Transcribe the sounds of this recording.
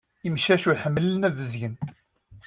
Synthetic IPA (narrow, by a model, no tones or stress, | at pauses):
imʃæʃuɾħəmːələnævəzʝən